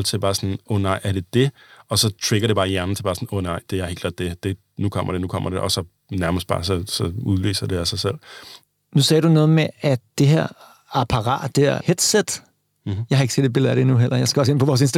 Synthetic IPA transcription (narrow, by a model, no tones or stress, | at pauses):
lt͡sʰeb̥ɑ̈ːsɒnɔnɑ̈ɪʔæɐɾ̥e̝d̥e̝ɒ̽sɒ̽t͡sʰʁeɡ̥ɐɾe̝b̥ɑ̈ːjæɐnn̩t͡sʰe̝b̥ɑ̈ːsɒn̩ɔnɑ̈ɪd̥e̝æɐhe̝̰l̥ɡ̥lɑ̰ːd̥d̥e̝d̥e̝ | nukʰɒm̰ɐ̰ɾ̥e̝nukʰɒ̽mʔɐɾ̥eʔɒsɒ̽ | næɐməsd̥̚b̥ɑ̈ːsɒ̽sɒ̽uðˠly̰ːsɐd̥e̝æsɑ̈ɪsel̰ | nusɛ̰ːɐɾ̥unɔ̽ːð̩ˠmeæd̥eɦæ̰ɐ̰ | ɑpʰɑʁɑ̰̈ːd̥d̥eæɐhed̥sed̥ | jɑ̈ɪhɑeɡəse̝ːd̥̪ebel̩ˠæd̥enuɦel̰ʔɐjɑɪsɡ̥ɐɒse̝n̰pʰɔʋɒːs̬ensd̥